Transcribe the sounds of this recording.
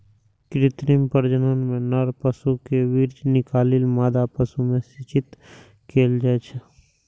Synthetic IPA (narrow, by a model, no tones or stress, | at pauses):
kɾɪt̪ɾimpəɾd͡ʒənənmẽnəɾpəsukeʋiɾd͡ʒnɪkaːlɪlmaːd̪apəsumẽsɪt͡ʃɪt̪ | kʰeːld͡ʒaet͡ʃʰɛ